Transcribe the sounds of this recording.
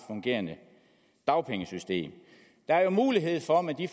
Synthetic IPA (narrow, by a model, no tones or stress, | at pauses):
fɔŋɡ̥e̝̰ːɐnə | d̥ɑ̈ʊpʰeŋəsysd̥e̝̰ːm | d̥ɑ̈æɐjo̝muːliɦe̝ð̞̰ˠfɒ̽mæd̥if